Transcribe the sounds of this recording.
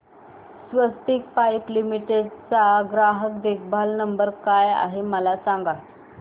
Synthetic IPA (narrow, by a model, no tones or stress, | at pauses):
sʋəst̪iːkfajplimiʈeɖ̚t͡saɡɾaɦəkd̪ekʰbʱalnəmbəɾkaja̰ɦeməlasãŋɡa